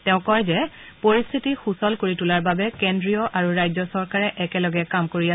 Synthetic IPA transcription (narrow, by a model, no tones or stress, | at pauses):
tɛʊ̃kɔjzɛ | poɹist̪ʰitixusɔlkoɹitulaɹbabɛkendɹijɔʔaɹuɹajzɔsɔɹkaɹɛʔɛkɛlɔɡɛkamkoɹia